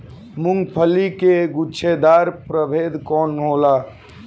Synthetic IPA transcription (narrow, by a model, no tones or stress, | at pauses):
mʊŋɡpʰəlikeɡut͡ʃʰed̪aːɾpɾəbʱeːd̪kɔːnɦoːla